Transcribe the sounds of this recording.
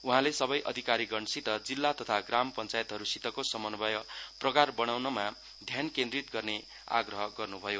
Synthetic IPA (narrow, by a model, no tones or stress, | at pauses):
uɦãlesʌbʌjʔʌd̪ʱikaɾiɡʌnsit̪ʌd͡zilːat̪ʌt̪ʰaɡrampʌnt͡sajt̪ɦʌɾusit̪ʌkosʌmʌnbʌjʌprʌkarbʌɽ̃awnʌma | d̪ʱjankend̪rit̪ɡʌrne | a̰ɡrʌɦʌɡʌrnubʱʌjo